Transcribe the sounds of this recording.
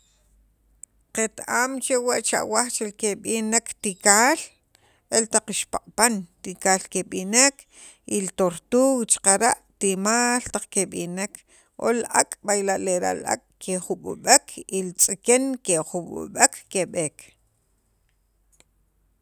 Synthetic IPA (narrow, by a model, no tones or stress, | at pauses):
qet̪aːmt͡ʃewaʔt͡ʃa̰ʔwaχt͡ʃelkeɓinekt̪ikaːl | ʔelt̪aqiʃpa̰qʼpant̪ikaːlkeɓinek | ʔilt̪oɾt̪uːɣt͡ʃqaɾaʔt̪imaːlt̪aq͡χkeɓinekʰ | ʔo̰lakʼɓajlaʔleɾa̰ʔla̰kʼkʰeχuɓṵɓekʰilt͡sʼikenkeχuɓṵɓekːeɓeːk